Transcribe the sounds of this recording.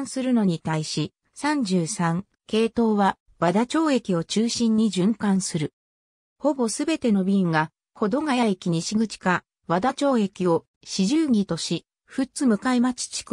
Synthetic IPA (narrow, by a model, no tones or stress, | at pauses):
sɨɾɯ̟no̞ɲ̟it̪aiɕi | sãɲ̟d͡ʑɨːsãŋ | ke̞ːt̪o̞ːβa | βad̪at͡ɕo̞ːe̞kʲio̞t͡ɕɨːɕĩɲ̟ːiʑɨ̃ŋkãɰ̃sɨɾɯ̟ | ho̞bo̞sɨbe̞t̪e̞no̞bʲiŋɡa | ho̞d̪o̞ŋajaikʲiɲ̟iɕiɡɯ̟t͡ɕi̥ka | βad̪at͡ɕo̞ːe̞kʲio̞ | ɕiʑɨːɡʲit̪o̞ɕi | ɸɯt͡sɨmɯ̟kaimat͡ɕi̥t͡ɕi̥k